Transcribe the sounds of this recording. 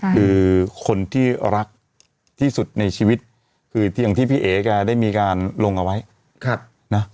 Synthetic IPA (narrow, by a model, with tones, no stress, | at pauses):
kʰɯː˧kʰo˧nt̪ʰiː˥˩ɾa˦˥k̚ | t̪ʰiː˥˩su˨˩t̪̚na˧jt͡ɕʰiː˧wi˦˥t̪̚ | kʰɯː˧t̪ja˨˩ŋt̪ʰiː˥˩pʰiː˥˩ʔeː˩˦kaː˧˩daː˥˩jmiː˧kaː˧nlo˧ŋʔa˧wa˦˥j | kʰ | na˦˥